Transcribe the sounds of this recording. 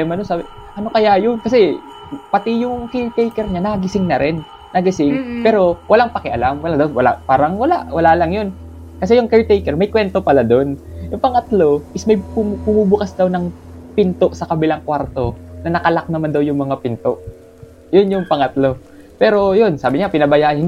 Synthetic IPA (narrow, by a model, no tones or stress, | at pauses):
ɛmɐnosaːbɪ | ʔɐno̞kɐjajonkɐsɛ | pɐt̪ɪjʊŋkɛɹt̪ejkɛɾɲanɐɡɪsɪŋnɐɾɪnː | ɐɡɪsɪŋpɛːɾo̞wɐlaŋpɐkɛʔɐlamwɐlad̪ɐwwɐla̰ʔpaːɾɐŋwɐlaʔwɐlalɐŋjo̞n | kɐs̬ɛjʊŋkɛɹt̪ejkɛɹmɐjkwɛnt̪o̞pɐlad̪o̞njʊŋpɐŋɐt̪lo̞ʔɪsmɐjbʊmubʊkɐsd̪ɐwnɐŋpɪnt̪o̞ʔsɐkɐbɪlaŋkwaɾt̪o̞nɐnɐkɐlak̚nɐmand̪ɐwjʊŋmɐŋapɪnt̪o̞ʔ | jonjʊŋpɐŋɐt̪lo̞ | pɛːɾo̞jonsaːbɪɲapɪnɐbɐjaːʔɐnhɪ